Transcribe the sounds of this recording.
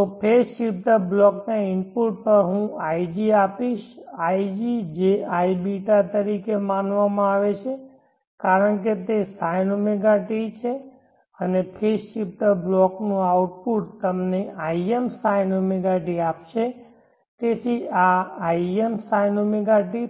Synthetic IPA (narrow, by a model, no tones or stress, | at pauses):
t̪opʰesʃip̚ʈəɾblɔknaɪmpuʈ̚pəɾɦũaid͡ʒiapiʃaid͡ʒid͡ʒeaibiʈat̪əɾikemanʋamãaʋet͡ʃʰe | kaɾəɳket̪esajnomeɡaʈit͡ʃʰe | ənepʰesʃip̚ʈəɾblɔknũauʈ̚puʈ̚t̪əmneʔaiemsajnomeɡaʈiapʃe | t̪et̪ʰiaaiemsajnomɛɡaʈi